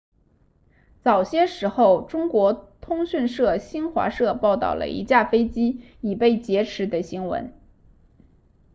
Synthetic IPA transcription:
t͡sɑ˨˩ʊɕjɛ˥ʂɻ̩˧˥xo˥˧ʊʈ͡ʂʊ˥ŋkwɔ˧˥t̪ʰʊ˥ŋɕy˥˧nʂɤ˥˩ɕi˥nxwa̰˧˥ʂɤ˥˧pɑ˥˧ʊt̪ɑ̰˥˩ʊlə̰˩ḭ˧˥t͡ɕja˥˩fe˥ɪt͡ɕi˥ | i˨˩pe˥˩ɪt͡ɕjɛ˧˥ʈ͡ʂʰɻ̩˧˥d̪ə˧ɕi˧˥ŋwə̰˧˥n

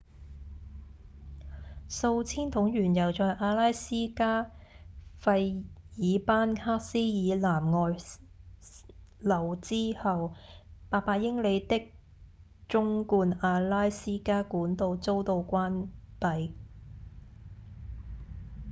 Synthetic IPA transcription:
so˧wt͡sʰiː˥nt̪ʰʊ˨˧˥ŋjyː˨˩njɐ˨˩wt͡sɔː˨˧jʔaː˧laː˥jsiː˥kaː˥ | fɐ˧jjiː˨˧paː˥nhʰaː˥k̚siː˥jiː˨˧laː˨˩mŋɔː˨j | lɐ˨˩wt͡siː˥hɐ˨wpaː˨˩pːaː˧jɪ˥ŋle˨˧jt̪ɪ˥k̚ | t͡ʃʊ˥ŋkuː˧naː˧laː˥jsiː˥kaː˥kuː˨˥nt̪o˧wt͡so˥wt̪o˧wkʷaː˥npɐ˨j

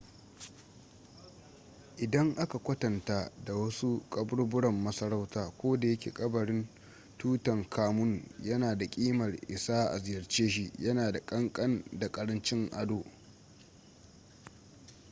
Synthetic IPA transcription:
ʔɪ˨dɐ˦ŋʔa˦ka˨kʷɐ˦tɐ˨nta˦da˨wɐ˦su˦kʼɐ˦bʊ˦ɽbʊ˦ɽɐ˨mːɐ˦sɐ˦ɾa˦wtaː˨kʷoː˦da˨jɐ˦kʲḛː˨kʼɐ˦bɐ˨ɽɪ˦n | tuː˦tɐ˨ŋkʰaː˦mʊ˦njɐ˦naː˨da˨kʲʼiː˦mɐ˨rʔɪ˨saː˦ʔa̰˨zɪ˨jɐ˨rt͡ʃeː˦ʃ̬i˦jɐ˦naː˨da˨kʼɐ˦ŋkʼɐ˦nda˨kʼɐ˦ɽɐ˦nt͡ʃɪ˦ŋʔa˦doː˨

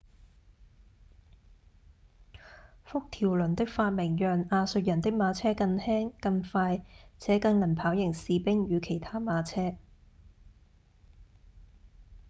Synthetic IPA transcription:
fʊ˥k̚t̪ʰiː˨˩wlɵ˨˩nt̪ɪ˥k̚faː˧t̚mɪ˨˩ŋjœː˨˩ŋaː˧sɵ˧t̚jɐ˨˩nt̪ɪ˥k̚maː˨˧t͡sʰɛː˥kɐ˧ŋhɛː˥ŋkɐ˧ŋfaː˧jt͡sʰɛː˨˥kɐ˧ŋnɐ˨˩npʰaː˨˥wjɪ˨˩ŋsiː˨˧pɪ˥ŋjyː˨˧kʰe˨˩jt̪ʰaː˥maː˨˧t͡sʰɛː˥

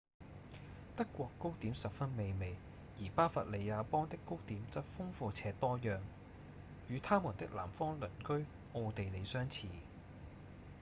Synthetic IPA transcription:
t̪ɐ˥kːʷɔː˧kːo˥wt̪iː˨˥msɐ˨p̚fɐ˥nme˨˧jme˨˧j | jiː˨˩paː˥fɐ̰˨t̚le˨˧jaː˨˧pɔː˥ŋt̪ɪ˥kːo˥wt̪iː˨˥mt͡sɐ˥p̚fʊ˥ŋfuː˨˧t͡sʰɛː˧t̪ɔː˥jœː˨ŋ | jyː˨˧t̪ʰaː˥mu˨˩nt̪ɪ˥k̚la̰ː˨˩mfɔː˥ŋlɵ˨˩nkɵ˥ɥ | ʔo˧t̪e˨jle˨˧jsœː˥ŋt͡sʰiː˨˩

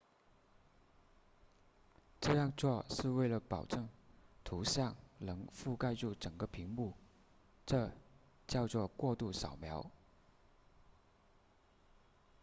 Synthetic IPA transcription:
ʈ͡ʂɤ˥˧jɑ˥˧ŋt͡swɔ˥˧ʂɻ̩˥˧we˥˩ɪlə˩pɑ˨˩ʊʈ͡ʂɤ˥˩ŋt̪ʰu˧˥ɕjɑ˥˩ŋnɤ˧˥ŋfu˥˧ka˥˧ɪʈ͡ʂu˥˩ʈ͡ʂə˨˩ŋɡə˦pʰi˧˥ŋmu˥˩ | ʈ͡ʂɤ˥˧ | t͡ɕjɑ˥˧ʊt͡swɔ˥˧kwɔ˥˧t̪u˥˩ɕɑ˨˩ʊmjɑ˧˥ʊ

